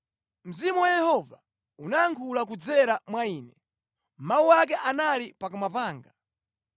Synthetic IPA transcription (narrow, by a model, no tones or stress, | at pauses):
m̩zimuwajɛhɔva | unaːŋkʰulak̬ud͡zɛɾamwaiːnɛ | mawuwak̬ɛʔanalipakumapaːŋɡa